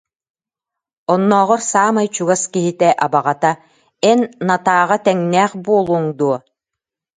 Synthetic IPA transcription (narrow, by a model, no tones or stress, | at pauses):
ɔnːɔːʁɔɾsaːmajt͡ɕuɡaskiɦit̪ɛʔabaʁat̪a | ɛnːat̪aːʁat̪ɛŋnɛːχbuɔlˠuːŋd̪uɔ